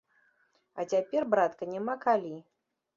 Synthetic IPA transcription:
ɐ̰t͡sʲapʲɛrbɾat̪kɐnʲamakalʲi

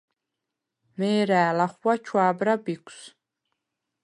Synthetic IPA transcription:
meːɾaːlaχʷwat͡ʃʰwaːbɾabikʷs

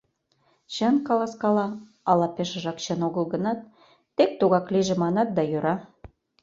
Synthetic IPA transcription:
ɕə̆nkɑlɑskɑlɑ | ɑlɑpeʃə̆ʒɑkɕə̆noɣəlɣə̆nɑt̪̚ː | ek̚t̪uɣɑkliʒĕmɑnɑt̪̚d̪ɑjøɾɑ

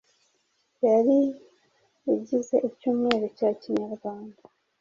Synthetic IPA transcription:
jaɾiː | ɟizaʔicuːmŋe̞ːɾocaciɲaɾɡwaːnda

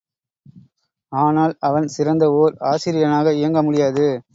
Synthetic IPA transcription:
aːnaːlɐʋɐnsɪɾɐnd̪ɐoːɾaːsɪɾɪjɐnaːɣɐɪjɐŋɡɐmʊɽɪjaːðɯ

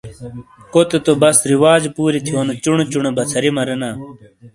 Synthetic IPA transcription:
kot̪et̪obɐsɾiwaːd͡ʑpuːɾit̪ʰioːnet͡ɕuɳet͡ɕuɳebɐt͡sʰɐɾimɐɾenaː

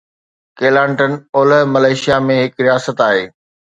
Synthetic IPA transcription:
keːlãːɳʈənoːləɦmɐlaːɪʃijamẽɦɪkɾijaːsət̪aːɦeː

